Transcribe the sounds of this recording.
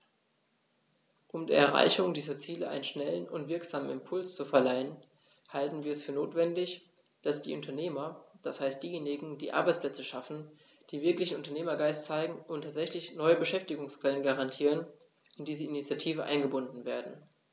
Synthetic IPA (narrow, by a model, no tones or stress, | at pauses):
ʔʊmdḭːɐɛ̰ɐʁ̞a̰ɪçʊŋdiːzɐt͡siːləʔa̰ɪnənʃnɛlənʊntv̥ɪɐkz̥aːmənɪmpʰʊlst͡sufɛɐlaɪən | haltn̩viːɐɛsfyːɐnoːtv̥ɛndɪç | d̥asd̥ḭːʔʊntʰɐneːmɐd̥ashaɪstd̥iːjeːnɪɡŋ̩dḭːʔa̰ɐbaɪt͡spl̥ɛt͡səʃafn̩ | d̥iːvɪɐklɪçn̩ʔʊntɐneːmɐɡaɪstt͡saɪɡŋ̩ʊntʰaːtz̥ɛçlɪçnɔʏəbəʃɛftɪɡʊŋskv̥ɛlənɡaʁantʰiːʁ̞ən | ɪnd̥iːzəinit͡sjatʰiːvəʔa̰ɪnɡəbʊndn̩veːɐdn̩